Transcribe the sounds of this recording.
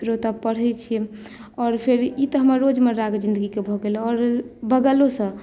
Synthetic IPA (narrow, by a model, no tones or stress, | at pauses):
ɾot̪əpəɽ̤ɦɛjt͡ʃʰi | ɔːɾpʰeɾit̪əɦəməɾːod͡ʒmeɾaɡd͡ʒĩnd̪əɡikebʱɔɡelɔɾbəɡəlosə̃